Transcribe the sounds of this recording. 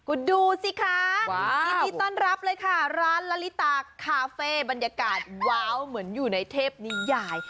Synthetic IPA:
kʰu˨˧˩duː˧si˧˩kʰa˧˥˩i˧nː˧t̪ɔː˥˩˨nɾa˦˥p̚lɤː˧jkʰa˥˩ɾaː˦˥nla˦˥li˦˥t̪aː˧kʰaː˧feː˧˥˩ba˧njaː˧kaː˨˩t̪̚waː˦˥wmɯ˩˦ənjuː˨˩na˧jt̪ʰeː˥˩p̚niː˦˥jaː˧˩j

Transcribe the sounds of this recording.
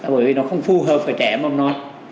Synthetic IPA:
a˨ɓəː˧˦jvi˨˩nɔ˨˦xə˧wŋ͡mfu˧ɦəː˨˩p̚faː˨˩jt͡ɕɛ˧˩˦m˧wŋ͡mnɔ˨˦j

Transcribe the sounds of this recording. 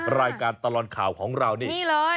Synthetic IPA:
ɾaː˧jkaː˧nt̪a˧lɔː˨˩t̪̚kʰaː˨˩wkʰɔː˩˦ŋɾa˧wniː˥˨iː˩˥˩lɤː˧j

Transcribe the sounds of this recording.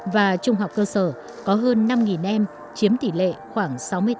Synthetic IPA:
vaː˨˩t͡ɕʊ˧ŋ͡mɦa˨˩wk͡p̚kəː˧səː˧˩ | kɔ˨˦ɦəː˧nːa˧mŋi˨˩nʔɛ˧m | t͡ɕi˨˦əmt̪ḭ˧˩lḛ˧˨xwaː˧˩ŋsa˨˦wmɨ˧ə

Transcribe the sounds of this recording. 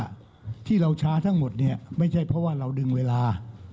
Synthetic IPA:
t̪ʰiː˥˩ɾa˧wt͡ɕʰaː˦˥t̪ʰa˦˥ŋmo˨˩t̪̚ni˥˩ɐma˥˩jt͡ɕʰa˥˩jpʰɾɔ˦˥waː˥˩ɾa˧wdɯ˧ŋweː˧laː˧

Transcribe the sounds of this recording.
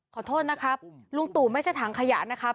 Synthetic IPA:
kʰɔː˨˩˦t̪ʰoː˥˩t̪̚na˦˥kʰɾa˦˥p̚lu˧ŋt̪uː˨˩ma˥˩t͡ɕʰa˥˩jt̪ʰaː˩˦ŋkʰa˧ja̰˨˩ʔna˦˥kʰɾa˦˥

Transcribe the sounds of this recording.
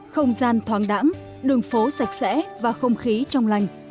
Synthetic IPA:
xə˧wŋ͡mzaː˧nt̪ʰwaː˨˦ŋɗa̰ː˧˥ŋ | ɗɨ˨˩əŋfo˨˦sa˨˩jk̟̚sɛ̰˧˥vaː˨˩xə˧wŋ͡mxi˨˦t͡ɕɔ˧wŋ͡mla˧˩jŋ̟

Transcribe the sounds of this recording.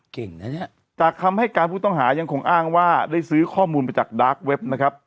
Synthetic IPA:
ke˨˩ŋna˦˥ni˦˥ | t͡ɕaː˨˩kʰːa˧mha˥˩jkaː˧npʰuː˥˩t̪ɔ˥˩ŋɦaː˩˦ja˧ŋkʰo˧ŋʔaː˥˩ŋwaː˥˩daː˥˩jsɯː˦˥kʰɔː˥˩muː˧nmaː˧jt͡ɕaː˨˩k̚daː˦˥k̚we˦˥p̚na˦˥kʰɾa˦˥p̚

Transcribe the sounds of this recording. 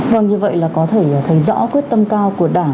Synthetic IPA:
və˨˩ŋɲɨ˧və̰˧˨jlaː˨˩kɔ˨˦t̪ʰe˧˩t̪ʰə˨˦jzɔ̰˧˥kwi˦˥ət̚t̪ə˧mkaː˧wku˧˩əɗaː˧˩

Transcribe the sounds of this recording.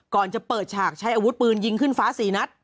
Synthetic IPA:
kɔː˨˩nt͡ɕa˨˩pɤː˨˩t̪̚t͡ɕʰaː˨˩k̚t͡ɕʰa˦˥jʔaː˧wu˦˥t̪̚pɯː˧nji˧ŋkʰɯ˥˩nfaː˦˥siː˩˦na˦˥t̪̚

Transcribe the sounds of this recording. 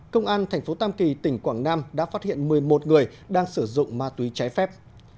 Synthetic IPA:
kə˧wŋ͡mʔaː˧nt̪ʰɛ˨˩jŋ̟fo˨˦t̪aː˧mki˨˩t̪ï˧˩ŋ̟kwaː˧˩ŋnaː˧mɗa̰ː˧˥faː˦˥t̚hḭ˧˨ənmɨ˨˩əjmo˨˩t̚ŋɨ˨˩əj | ɗaː˧ŋsɨ˧˩zʊ̰˧˨ŋ͡mmaː˨˩t̪wi˨˦t͡ɕaː˨˦jfɛ˦˥p̚

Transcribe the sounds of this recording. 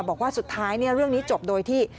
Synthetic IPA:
wbɔː˨˩kwaː˥˩su˨˩t̪ʰːaː˦˥jni˥˩əɾɯ˥˩əŋniː˦˥t͡ɕo˨˩p̚doː˧jt̪ʰiː˥˩

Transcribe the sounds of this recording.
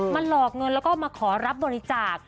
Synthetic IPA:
ma˧nlɔː˨˩k̚ŋɤ˧nlɛ˦˥wkɔː˥˩maː˧kʰɔː˩˦ɾa˦˥p̚bɔː˧ɾi˧˦t͡ɕaː˨˩k̚

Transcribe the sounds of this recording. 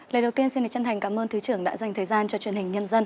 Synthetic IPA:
lə˨˩ɗə˨˩wt̪i˧ənsi˧nɗɨ˨˩t͡ɕə˧nt̪ʰŋ̟kaː˨˦mʔəː˧nt̪ʰɨ˨˦t͡ɕɨ˧˩əŋɗa̰ː˧˥za˨˩jŋt̪ʰəː˨˩jzaː˧nt͡ɕɔ˧t͡ɕwi˧˩ənhi˨˩ŋ̟ɲə˧nzə˧n

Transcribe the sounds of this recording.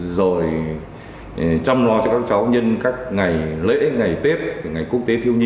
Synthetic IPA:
zo˨˩j | t͡ɕa˧mlɔ˨˦t͡ɕɔ˧kaː˦˥k̚t͡ɕa˨˦wɲə˧nkaː˦˥k̚ŋa˨˩jlḛ˧˥ŋa˨˩jt̪e˦˥p̚ŋa˨˩jku˦˥ək̚t̪e˨˦t̪ʰi˧əwɲi˧

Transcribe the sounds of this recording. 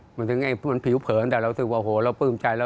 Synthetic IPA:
ma˧nt̪ɯ˨˧˦ŋaː˧˩ma˧˩npʰi˨˩˦wpʰɤː˨˦nt̪aː˨˩ɾa˧wt̪ʰɯ˨˩wa˧˨ʔo˧hoː˨˩˦ɾa˧wpɯː˧˥˩mt͡ɕa˧jlɛː˦˧˩

